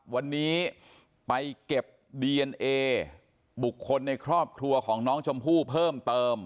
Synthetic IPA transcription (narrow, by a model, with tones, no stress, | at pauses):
wa˧nːiː˦˥ | pa˧jke˨˩p̚diː˧ʔe˧nʔeː˧ | bu˨˩kʰːo˧nːa˧jkʰɾɔː˥˩p̚kʰɾu˧ɐkʰɔː˩˦ŋnɔː˦˥ŋt͡ɕʰo˧mpʰuː˥˩pʰɤː˥˩mt̪ɤː˧m